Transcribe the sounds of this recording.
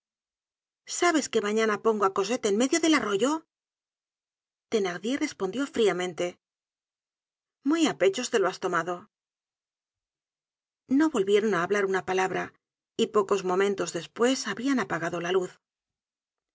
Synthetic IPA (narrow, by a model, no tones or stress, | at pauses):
saβe̞ske̞maɲanapo̞ŋɡoako̞s̬e̞t̪enme̞ðjo̞ðe̞laro̞ʝo̞ | t̪e̞naɣðje̞re̞spo̞nd̪jo̞fɾiamẽ̞nt̪e̞ | mujape̞t͡ʃo̞st̪e̞loast̪o̞maðo̞ | no̞βo̞lβje̞ɾo̞naːβlaɾunapalaβɾa | ipo̞ko̞zmo̞mẽnt̪o̞zðe̞spwe̞saβianapaɣaðo̞laluθ